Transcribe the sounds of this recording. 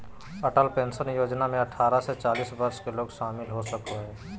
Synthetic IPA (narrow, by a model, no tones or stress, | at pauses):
ɐʈəlpẽːnsənjoːd͡ʒnamẽɐʈʰːaːɾaset͡ʃaːliːsbəɾskeloːɡʃaːmɪlɦosəkʰoɦɛː